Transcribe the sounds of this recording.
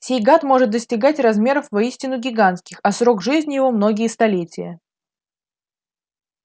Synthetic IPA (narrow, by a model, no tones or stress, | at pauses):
sʲejɡat̪mo̞ʐɨt̪̚d̪əsʲtʲɪɡatʲrɐzmʲe̞ɾəfvɐisʲtʲɪnʊɡʲɪɡant̪kʲɪxɐsɾo̞kʐɨzʲnʲɪjɪvo̞mno̞ɡʲɪjəst̪ɐlʲetʲɪjə̰